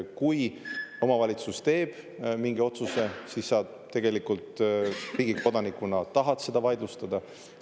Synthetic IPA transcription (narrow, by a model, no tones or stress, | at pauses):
kujo̞mɑvɑlʲit̪sust̪e̞ːb̥ | miŋɡ̥io̞t̪suse̞sisːɑ | t̪ːe̞ɡ̥e̞likult̪ɾiːɡ̥iko̞d̪̥ɑnikˑunɑt̪ɑɦɑt̪se̞d̪̥ɑvɑjd̪lust̪ɑd̪̥ɑ